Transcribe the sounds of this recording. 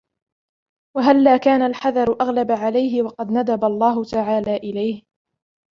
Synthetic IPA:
waɦalːaːkaːnalħaðɑɾˤʊʔaɣlabaʕalajɦɪwɑqɑd̪nad̪abalˤːɑːɦʊt̪aʕaːlaːʔɪlajh

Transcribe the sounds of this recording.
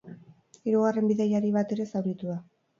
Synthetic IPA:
iɾuɣare̞mbiðajaɾiβ̞at̪e̞ɾe̞sawɾit̪uða

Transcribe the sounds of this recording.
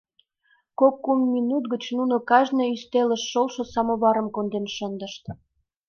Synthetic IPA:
kokːumːinut̪ɡət͡ɕnunokɑʒnɤyst̪eləʃːolʃŏsɑmoβɑɾə̆mkond̪enʃənd̪ə̆ʃt̪

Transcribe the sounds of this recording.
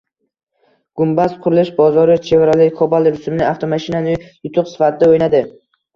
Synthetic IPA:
ɡ̥ʊmbasqʰʊɾɪlɪʃbɒzɒɾɪt͡ʃʰe̞vɪɾalɪkʰɒbalˠɪɾʊsʊmɪnɪaft̪ʰomaʃinanɪjʊt̪ʰʊqsɪ̥fat̪ʰɪd̪aojnad̪ɪ

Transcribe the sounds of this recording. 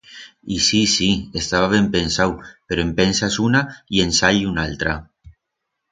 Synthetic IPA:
isisiest̪aβ̞aβ̞empensawpeɾoempensasunaiensaʎunalt̪ɾa

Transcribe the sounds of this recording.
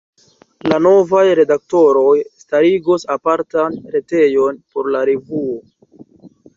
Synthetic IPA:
lano̞vajɾe̞dak̚to̞ɾo̞jstaɾiɡosapaɾtanɾe̞te̞jo̞npo̞ɾlaɾevuo̞

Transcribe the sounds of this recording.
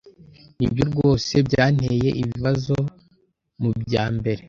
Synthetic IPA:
nibjo̞bɡo̞ːse̞bɟaːn̥he̞je̞̰ʔiβiβazo̞ | mubjaːmbe̞ɾe̞

